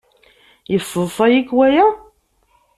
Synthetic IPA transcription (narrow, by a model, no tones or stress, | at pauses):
jəfːəðˤfˤɑjikwæjæ